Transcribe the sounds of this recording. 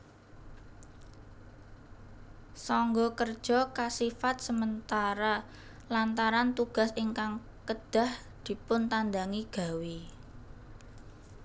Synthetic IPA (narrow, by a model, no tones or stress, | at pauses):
sɔŋɡɔkərd̥ʒ̥ɔ̤kasifat̪̚səmənt̪aɾa | lant̪aɾant̪uɡ̥a̤siŋkaŋ | kəd̪̥a̤h | d̪̥i̤pʊnt̪and̪aŋiɡ̥a̤wi